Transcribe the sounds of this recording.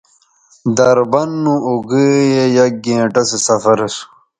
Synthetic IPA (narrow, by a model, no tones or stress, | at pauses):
d̪ɐɾbɐnːũoɡəjejɐɡẽːʈɐsesɐfɐɾɐsu̥